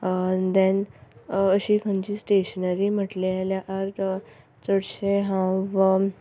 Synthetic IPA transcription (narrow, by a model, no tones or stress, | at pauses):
d̪ɛ̃n | əɕiːkʰə̃ɲt͡ɕiːsʈeɕənəɾim̤əʈlealjaʔaɾ | t͡səɽɕeɦãwʋə